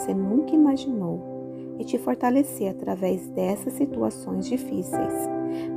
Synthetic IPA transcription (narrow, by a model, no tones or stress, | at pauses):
senũŋkɐimaʒinow | ɪt͡ʃɪfoɾt̪aleseat̪ɾavɛzd̪ɛsɐsːit̪uasõj̃zd͡ʒifisḛjs